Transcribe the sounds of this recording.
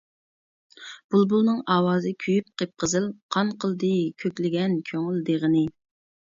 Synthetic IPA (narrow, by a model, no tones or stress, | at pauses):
b̥ulˠbulˠnɨŋɑːwɑːzɨkʲʰyjyp̚qʰep̚qəzɨlˠqʰɑnqʰəlˠd̪ɨkʲʰøkʲlɪɡʲɛnkʲʰøŋyld̪eʁənɨɪ